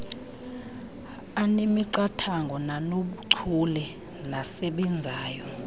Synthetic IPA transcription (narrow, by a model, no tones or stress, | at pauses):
animiǃatʰaŋɡʱɔnanoɓuǀʰulɛ | nasɛɓɛnd͡zʱaːjɔ